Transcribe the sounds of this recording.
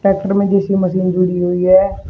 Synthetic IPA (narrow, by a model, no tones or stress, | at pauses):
ʈɛːk̚ʈəɾmẽd͡ʒeːsiːməsiːnd͡ʒuɽiːɦoiːɛː